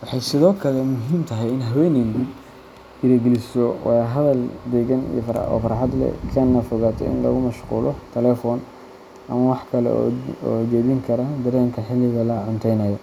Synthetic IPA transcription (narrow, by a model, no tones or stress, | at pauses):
wɑħɑjsɪðɔːkʰɐlɛmʊɦiːmt̪ʰɐɦɛjɪnɦɐwɛːnind̪ib | ɡɪɾɐɡɛlɪsɔwʔɑ̰jɦɐðɐld̪ɛɣɐnḭjɔfɐɾɔ̰ːfɐɾħɑd̪lɛ̰kʰɐnːɐfɔɣaːt̪ʰɛ̰ʔɪ̰nlɔ̰ɣʊmɐʃqṵːlɔt̪ʰɛlɛːfɔːn | ʔɐmɐwɑħkʰɐlɛ̰ɔːt͡ʃɔːβɪŋkʰɐɾɐd̪ɐɾɛːŋkʰɐħɪlːɪɣɐlɐʕʊnt̪ʰɛjnɐjɐ